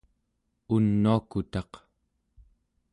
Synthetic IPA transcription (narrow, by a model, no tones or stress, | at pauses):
unːuakut̪ɑq